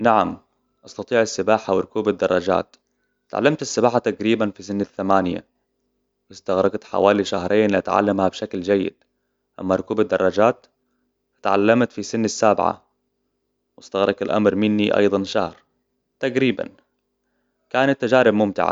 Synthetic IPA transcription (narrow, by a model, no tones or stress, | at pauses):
naʕam | ʔɑst̪ɑt̪ˤiːʕasːɪbaːħawɪɾʊkuːbɪd̪ːɑrˤːɑd͡ʒa̰ːt̪ | t̪ʕa̰lːamt̪asːɪbaːħat̪aɡɾiːbanfisɪnːaθːamaːnɪja̰ | wɪst̪aɣɾˤɑɡt̪ħa̰waːliʃahɾˤeːnliʔa̰t̪ʕa̰lːamhabʃakld͡ʒajːɪ̰d̪̥ | ʔa̰mːaɾˤʊkuːbad̪ːɑrˤːɑd͡ʒaːt̪ | ḁt̪ʕa̰lːamt̪fisɪnːasːaːbʕa̰ | wɪst̪aɣɾˤɑɡalʔa̰mɾmɪnːiʔɑ̰jd̪ˤɑnʃahɾ | t̪aɡɾiːba̰n | kaːnat̪ːad͡ʒaːɾɪbmʊmt̪ɪ̰ʕa̰